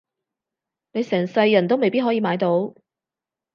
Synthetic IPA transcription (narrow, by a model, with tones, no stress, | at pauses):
ne˨˧jsɛː˨˩ŋsɐ˧jːɐ˨˩nt̪̬o˥wme˨jpiː˥t̚ɦɔː˨˥jiː˧maː˨˧jt̪o˨˥w